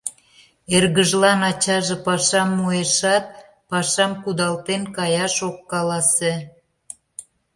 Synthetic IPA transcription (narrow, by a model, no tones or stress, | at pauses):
erɣəʒlɑnɑt͡ɕɑʒĕpɑʃɑmːueʃɑt̪̚ | pɑʃɑmkud̪ɑlt̪enkɑjɑʃokːɑlɑse